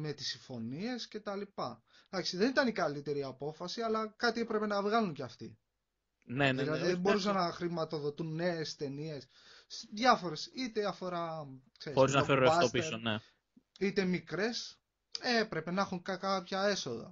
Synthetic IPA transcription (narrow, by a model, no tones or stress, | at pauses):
me̞t̪i̥siɱfo̞nie̞sce̞t̪ɐlipɐ | d̪ɐksiðe̞nit̪ɐnikɐlit̪e̞ɾiɐpo̞fɐsiɐlɐkɐt̪ie̞pɾe̞pe̞nɐvɣɐluɲceɐft̪i | nenilɐðiebo̞ɾusɐnːɐxɾimɐt̪o̞ðo̞t̪unːe̞est̪e̞nie̞s | ðʝɐfo̞ɾe̞sit̪eiɐfo̞ɾɐ | kseɾiosɾiznɐfeɾuɐfɐt̪opisone | it̪e̞mikɾe̞s | epɾe̞pe̞nɐxuŋkɐkɐpçɐe̞so̞ðɐ̰